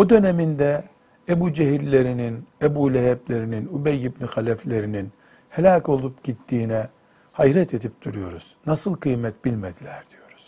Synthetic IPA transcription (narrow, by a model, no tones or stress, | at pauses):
od̪ø̞nemind̪ɛ | ebuːd͡ʒeɦilʲːe̞ɾininebuːlʲɛɦɛblʲe̞ɾininubɛjːibnixalʲɛflʲe̞ɾinin | helʲaːko̞lˠupɟ̥it̪ʰːiːnɛ | hajɾɛt̪ʰe̞d̪ip̚d̪uɾujo̞ɾuz̥nasɯlˠkɯjmɛt̪bilʲmed̪ilʲæɾd̪̥ijo̞ɾuz̥